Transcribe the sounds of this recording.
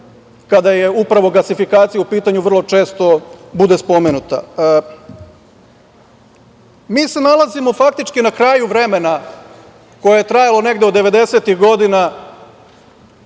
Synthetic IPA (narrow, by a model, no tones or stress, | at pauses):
kad̪aje̞upɾaʋo̞ɡlasifikaːt̪sijaupiːt̪aɲuʋr̩lˠo̞t͡ʃe̞ːst̪o̞bud̪e̞spo̞menut̪a̰ | miːse̞nalˠazimo̞fak̚t̪it͡ʃkinakɾaːjuʋɾe̞me̞na | ko̞jejet̪ɾajalˠone̞ɡd̪eod̪ːe̞ʋe̞d̪e̞se̞t̪ixɡo̞d̪ina